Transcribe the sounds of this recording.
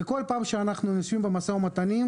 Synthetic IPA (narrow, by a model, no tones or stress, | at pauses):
ekolpaːmʃeanaχnuniʃvimbemasaomat̪anim